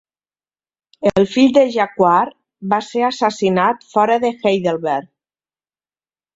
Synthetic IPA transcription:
elˠfiʎd̪əʒakwaɾ | βaseɾasasinat̪fɔɾəðəxejðelˠβɛɾ

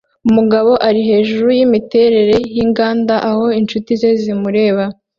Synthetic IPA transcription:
umuɡaβo̞ʔaɾiɦe̞ːʒuɾujimite̞ɾe̞ɾe̞jiŋɡaːndaʔaho̞int͡ʃutize̞zimuɾe̞ːβa

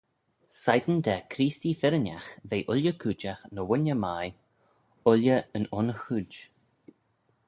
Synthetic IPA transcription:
sajd̪ən̩d̪ɛkʰɾiːst̪ifɪɾənʲa̰xveːʔʊlʲjəkʰuːt͡ʃaxnəwʊnʲəmaj | ʊljəənɔnəxuːd͡ʒ

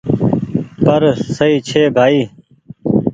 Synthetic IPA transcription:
pəɾsəiːt͡ʃʰeːbʱaːiː

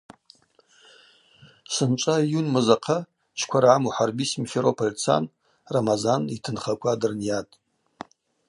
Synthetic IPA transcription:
sɨnt͡ʃʷʼajunmɨzaqʰa | t͡ʃʰkʷʰaɾʕamuħarbismfeɾopʰolʲt͡sʰa̰n | ramazanitʰɨnχakʷʰadɨrnjatʼ

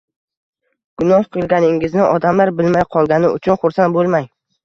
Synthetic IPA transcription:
ɡ̥ʊnɒhqʰɨlˠɡʲanɪŋɪznɪʔɒd̪amlaɾbɪlmajqʰɒlˠɡʲanɪʊt͡ʃʰʊnχʊɾsan̚bolˠmaj

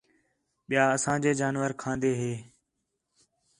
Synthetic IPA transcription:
ɓɪjaːəsãːd͡ʒeːd͡ʒaːnʋəɾkʰãːnd̪eːɦeː

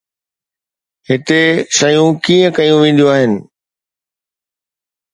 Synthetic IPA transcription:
ɦɪt̪eʃɐjũkiːə̃kɐjũʋẽːn̆d̪joaːɦɪnɪ̆

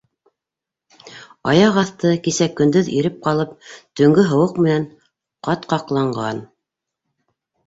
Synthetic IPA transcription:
ɑjɑqɑθt̪ɤkisækːɵ̆nd̪ɵðiɾɘp̚qɑlˠɤp̚t̪ɵ̆ŋɡɵɦɤ̆wɤqmɘ̆næn | qɑt̪qɑqlˠɑɴɢɑn

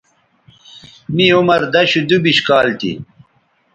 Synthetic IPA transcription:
miumɐɾd̪ɐɕud̪ubiɕkaːlt̪ḭ

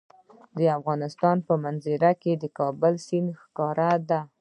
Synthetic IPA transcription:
d̪əafɣɑnɪst̪ɑnpəmanzɪɾaked̪əkɑbəlsinxkɑɾad̪a

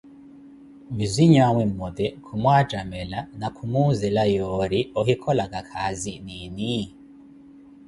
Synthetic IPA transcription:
viziɲaŋwimodekʰumwaːd͡ʒamelanakʰumuzelajoɾiɔɦikʰɔlaɡakʰazinini

